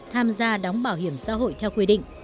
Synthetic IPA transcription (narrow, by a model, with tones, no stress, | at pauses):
t̪ʰaː˧mzaː˧ɗɔ˨˦wŋ͡mɓaː˧˩whi˧˩əmsa̰ː˧˥ɦo̰˧˨jt̪ʰɛ˧wkwi˧ɗḭ̈˧˨ŋ̟